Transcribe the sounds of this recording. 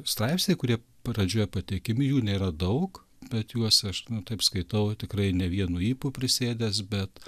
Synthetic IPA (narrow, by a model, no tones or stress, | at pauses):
st̪ɾɐɪpsʲnʲeɪkʊɾʲiɛ | prɐd͡ʒʲuɔjɛpɐt̪ʲekʲɪmʲɪjuːnʲeːɾɐd̪ɐʊk | b̥ʲɛt̪juɔsɐʃnʊt̪ɐɪpskɐɪt̪ɐʊt̪ʲɪkrɐɪnʲɛʋʲiɛnuːiːpupʲɾʲɪsʲeːd̪ʲɛsbʲɛt̪